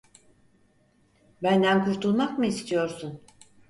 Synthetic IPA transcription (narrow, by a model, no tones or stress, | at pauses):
bænd̪ænkʰuɾt̪ʰulˠmakmɯist̪ʰijo̞ɾsun